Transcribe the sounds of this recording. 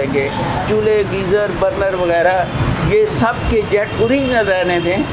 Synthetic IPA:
ẽːŋɡeː | t͡ʃuleɡiːzəɾbəɾnəɾʋɐɣɛːɾajesɐb̚ked͡ʒɛːʈ̚pʊɾinɐzɾɛːnet̪ʰẽː

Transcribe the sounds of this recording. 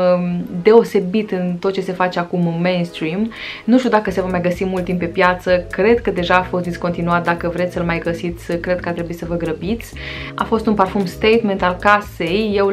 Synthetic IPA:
d̪e̞o̞se̞bit̪ɨnt̪ot̪̚ːt͡ʃe̞se̞fat͡ʃeakumɨːejnst̪ɾimnuʃt̪ʲud̪akəse̞vəmajɡəsimult̪ːimppe̞pjat̪səkɾe̞d̪kəd̪e̞ʒaːfo̞st̪̚d̪isko̞nt̪inuat̪̚d̪akəvɾet̪sʲsəlmajɡəsit̪sʲkɾe̞d̪̚kəart̪ɾe̞buit̪səvəɡɾəbit̪sʲa̰fo̞st̪unparfumst̪ejt̪me̞nt̪alkase̞jːe̞w

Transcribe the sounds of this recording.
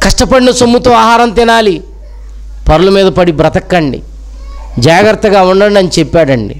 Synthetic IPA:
kɐʂʈɐpɐɽinɐsomːut̪oːaːɦaːɾɐmt̪ɪnaːli | pɐɾɐlumiːd̪ɐpɐɽibɾɐt̪ɐkːɐɳɖḭ | d͡ʒaːɡɐɾt̪ːɐɡaːuɳɖɐɳɖɐnit͡ʃɛpːaːɽɐɳɖḭ

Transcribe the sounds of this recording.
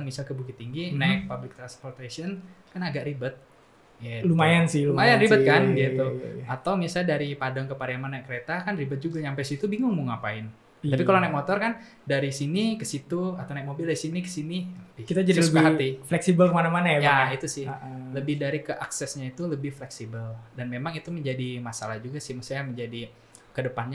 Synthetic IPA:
aŋmisalkəbukit̪ːiŋɡinaɪk̚pablɪk̚t̪ɾanspɔrt̪esɔn | kanaɡaʔɾibət̪̚ | jalumajansɪhlmajanribət̪̚kanɡit̪uat̪awmisalɲdaɾipadaŋkəpaɾjamanajakəɾet̪akanribət̪̚d͡ʒuɡaɲampajsit̪ubiŋʊŋmuŋapaɪn | t̪apikalanajt̪̚mot̪ɔrkan | daɾisinikəsit̪uat̪awnɛt̪̚mobɪldaɾisinikə̥sinibikit̪ad͡ʒadiləbaɦat̪iflɛksibəlkəmanamanajajait̪usɪhləbɪhdaɾikəʔa̰ksɛsɲait̪uləbɪhflɛksibəldanmemaŋit̪uməɲd͡ʒadimasalahd͡ʒuɡasɪhməsjaməɲd͡ʒadi | kədəpanɲa

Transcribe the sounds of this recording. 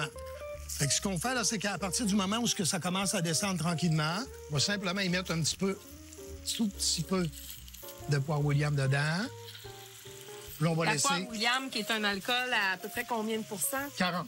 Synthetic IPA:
ã | fɛksə̥kɔ̃fɛlʌsekəapaʁt̪iːʁd̪ymɔmãuskəsakɔmɑ̃sad̪esɑ̃d̪̚t̪ʁɑ̃kʲilmãɔ̃vɔsɛ̃pləmãimɛt̪ɛ̃pt̪i̥pø | t̪upsipø | d̪əp̬wawiljamd̪əd̪ã | lɔ̃valaɛswaewiljamkʲiet̪ɛ̃nalkɔlaːpəpʁɛkɔ̃bjɛ̃d̪əpuʁsãkaʁɑ̃

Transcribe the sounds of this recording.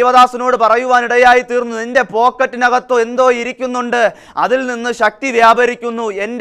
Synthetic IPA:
jʋɐðaːsɐno̞ːɽɨpɐrɐjuʋaːniɽɐjaːjit̪iːrnːuinde̞po̞ːkːɐtːinɐɣɐt̪ːoːe̞nd̪o̞ːiɾikʲːunːuɳɖɨ | ɐðilninːɨɕɐk̚t̪iʋjaːbʱɐɾikʲːunːue̞nd

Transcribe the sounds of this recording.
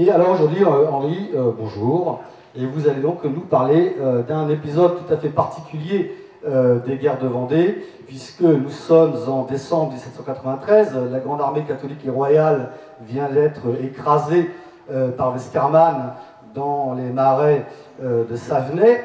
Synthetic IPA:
ealɔʁoʒuʁd̪ɥiɑ̃ʁiøbɔ̃ʒuːʁ | evuzaled̪ɔ̃knupaʁleød̪ɛ̃nepizɔd̪̚t̪ut̪afɛpaʁt̪ʰi̥kʲylje | ød̪eɡʲɛʁd̪əvɑ̃d̪e | pɥiskənusɔmzɑ̃d̪esɑ̃bʁəd̪isɛt̪sɑ̃kat̪χəvɛ̃t̪χɛzlaɡʁɑ̃d̪aʁmekat̪ɔlikeʁwajal | vjɛ̃d̪ɛt̪χəekχaze | øpaʁvɛst̪ɛʁman | d̪ɑ̃lemaʁɛ | ød̪əsavnɛ

